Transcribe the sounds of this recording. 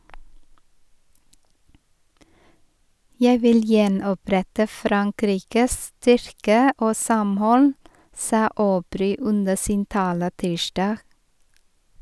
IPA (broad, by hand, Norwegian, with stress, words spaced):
ˈjæɪ ˈʋɪl ˈjɛnɔˌpɾɛtə ˈfɾɑŋˌkɾiːkəs ˈstʏɾkə ˈoː ˈsɑmˌhɔl ˈsɑː oːˈbɾyː ˈʉnə ˈsiːn ˈtɑːlə ˈtiːʃdɑːɡ